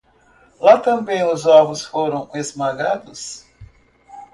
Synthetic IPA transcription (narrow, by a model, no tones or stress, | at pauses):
lat̪ɐ̃mbẽj̃ʊzɔbʊsfoɾɐ̃w̃ezmaɡad̪ʊs